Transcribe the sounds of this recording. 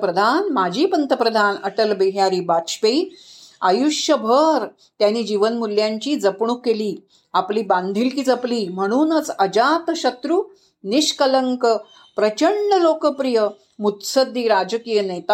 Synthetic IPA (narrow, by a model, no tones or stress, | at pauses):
pɾəd̪ʱanmad͡ʑʱiːpənt̪əpɾəd̪ʱanəʈəlbiɦjaɾiːbat̪ɕpeiajuʂjəbʱəɾ | t̪janiːd͡ʑiʋənmuljaɲt͡ɕiːd͡zəpɳukeliː | apliːbãnd̪ʱilkiːd͡zəpliːm̤əɽ̃uːnət͡səd͡ʑat̪ɕət̪ɾuː | niɕkələŋkə | pɾət͡ɕəɳːəlokəpɾijə | mut̪səd̪ːiːɾad͡ʑəkijənet̪a